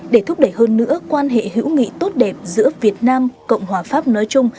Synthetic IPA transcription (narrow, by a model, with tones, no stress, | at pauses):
ɗe˧˩t̪ʰʊ˦˥k͡p̚ɗə˧˩jhəː˧nːɨ̰˧˥əkwaː˧nɦḛ˧˨ɦḭ˧˥wŋḭ˧˨t̪o˦˥t̚ɗɛ˨˩p̚zɨ̰˧˥əvi˨˩ət̚naː˧mkə̰˧˨wŋ͡mhwaː˨˩faː˦˥p̚nɔ˨˦jt͡ɕʊ˧ŋ͡m